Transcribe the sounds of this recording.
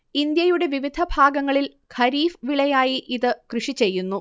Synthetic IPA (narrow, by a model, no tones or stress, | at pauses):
ind̪jɐjuɽe̞ʋiʋid̪ʱɐbʱaːɡɐŋːɐɭil | kʰɐɾiːfʋiɭɐjaːjiʔiðɨkrɨʂit͡ɕe̞jːunːu